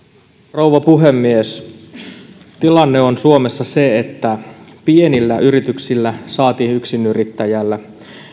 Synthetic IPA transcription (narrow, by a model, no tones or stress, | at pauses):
rouʋɑpuɦe̞mːies | t̪ilɑnːeo̞nsuome̞sːɑseet̪ːæpie̞nilːæʔyɾit̪yksilːæsɑːt̪iːnyksinyrit̪ːæjælːæ